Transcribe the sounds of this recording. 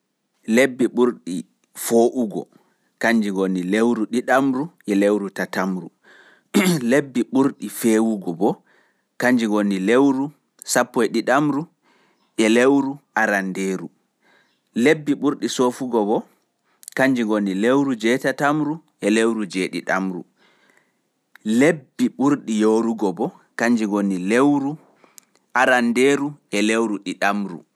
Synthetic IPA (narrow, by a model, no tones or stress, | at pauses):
lebːiɓuɾɗi | foːʔuɡɔ̰ | kaɲd͡ʒiŋɡonilewɾuɗiɗamɾuʔɛlewɾutatamɾu | lebːiɓuɾɗifeːwuɡɔbɔ | kaɲd͡ʒiŋɡonilewɾu | sapːɔɛɗiɗamɾu | ʔɛlewɾuʔaɾandeːɾu | lebːiɓuɾɗisoːfuɡɔbɔ | kaɲd͡ʒiŋɡonːilewɾud͡ʒɛtatamɾuʔɛlewɾud͡ʒɛɗḭɗamɾṵ | lebːiɓuɾɗijoːɾuɡɔbɔ | kaɲd͡ʒiŋɡonilewɾu | ʔaɾandeɾuɛlewɾuɗiɗamɾṵ